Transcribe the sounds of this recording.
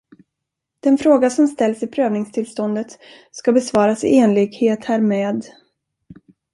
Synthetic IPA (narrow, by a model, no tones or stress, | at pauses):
d̪̥ɛnfɾoːɡasɔmst̪ɛlːsɪpʰɾøːvnɪŋst̪ʰɪlst̪ɔnd̪ət̪ | skabɛsvɑːɾasɪeːnlɪɡheːt̪hæːɾmeːd̪